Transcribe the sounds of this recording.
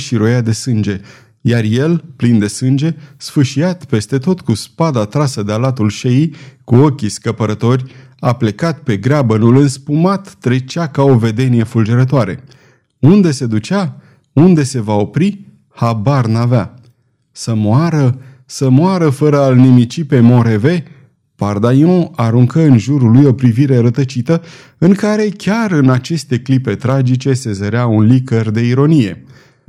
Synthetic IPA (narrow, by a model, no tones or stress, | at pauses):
ʃiɾo̞jad̪e̞sɨnd͡ʒe̞ | jarje̞lplind̪e̞sɨnd͡ʒe̞sfɨʃiat̪pe̞st̪e̞t̪o̞t̪kuspad̪at̪ɾasəd̪ealat̪ulʃejikuo̞kʲiskəpəɾət̪o̞rʲaple̞kat̪pe̞ɡɾabənulɨnspumat̪ːɾe̞t͡ʃakao̞ve̞d̪e̞nije̞fuld͡ʒeɾət̪oaɾe̞̰ | und̪e̞se̞d̪ut͡ʃa | und̪e̞se̞vao̞pɾi | habarnavea | səmoaɾə | səmoaɾəfəɾəalnimit͡ʃipe̞moɾe̞ve̞ | pard̪ajɔ̃aɾuŋkəɨnʒuɾulujo̞pɾiviɾe̞ɾət̪ət͡ʃit̪ə | ɨŋkaɾe̞kʲaɾɨnat͡ʃe̞st̪e̞klipe̞t̪ɾad͡ʒit͡ʃe̞se̞zəɾeaunlikərd̪e̞iɾo̞nije̞̰